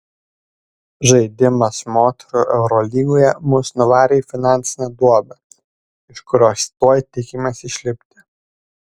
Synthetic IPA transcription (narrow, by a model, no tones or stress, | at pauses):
ʒɐɪd̪ʲɪmɐsmoːt̪ʲɛɾuʔɛʊɾɔlʲiːɡoːjɛmʊsnʊʋɑːɾʲeːifʲɪnɑˑnʲt̪sʲɪnʲɛd̪uɔbʲɐ | ɪʃkʊɾʲoːst̪oːjt̪ʲɪkʲɪmʲesɪʃʲlʲɪpʲt̪ʲɪ̥